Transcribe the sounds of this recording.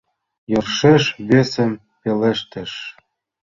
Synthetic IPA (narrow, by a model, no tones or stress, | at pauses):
jɤ̆rʃeʃβesə̆m | peleʃt̪ə̆ʃ